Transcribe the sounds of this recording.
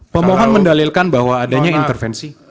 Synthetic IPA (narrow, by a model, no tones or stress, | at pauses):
pəmɔɦɔnməndalilkanbahwaːdaɲaint̪ərfɛnsi